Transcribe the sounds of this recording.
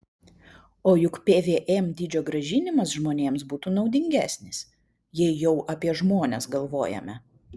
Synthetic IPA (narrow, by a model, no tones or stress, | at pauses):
oːjʊkpʲeːʋʲeːʔɛmd̪ʲiːd͡ʒʲoːɡɾɐʒʲɪnʲɪmɐsʒmoːnʲeːmsbuːt̪uːnɒʊd̪ʲɪŋʲɡʲæ̰ːsʲnʲɪs | jɛɪjɛʊʔɐpʲiɛʒmoːnʲɛsɡɐlˠʋoːjɛ̰mʲɛ